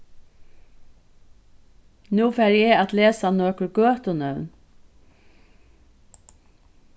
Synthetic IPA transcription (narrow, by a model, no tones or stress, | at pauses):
nuːfæɾjɛat̪leːsanøːkʊɹɡøːt̪ʊnœwn